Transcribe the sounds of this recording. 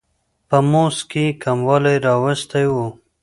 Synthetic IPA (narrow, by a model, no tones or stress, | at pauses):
pəmoskekamwɑlajɾɑwəst̪ajwu